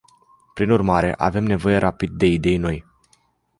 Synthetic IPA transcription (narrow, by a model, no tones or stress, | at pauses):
pɾinurmaɾe̞̰ʔa̰ve̞mne̞vo̞je̞ɾʔapid̪̚ːe̞id̪e̞jno̞j